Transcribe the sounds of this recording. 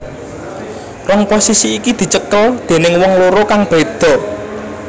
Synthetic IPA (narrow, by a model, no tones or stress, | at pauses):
rɔŋposisiːkid̪̥i̤t͡ʃəkɔld̪̥e̤nɪŋwɔŋloɾokaŋb̥e̤d̪̥ɔ̤